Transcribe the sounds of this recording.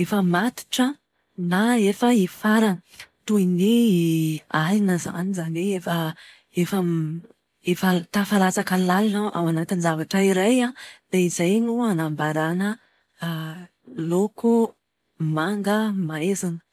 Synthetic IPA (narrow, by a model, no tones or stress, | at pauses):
efəmat̪i̥ʈ͡ʂə | naefəifaɾan | t̪uini | aɾinəza̰nizanweefə | efəm | efat̪afalat͡sakəlalinaʔa̰wanat̪ind͡ʒavaʈ͡ʂəiɾajad̪̥aizajnuanambaɾanə | loku | maŋɡəmaezanə̥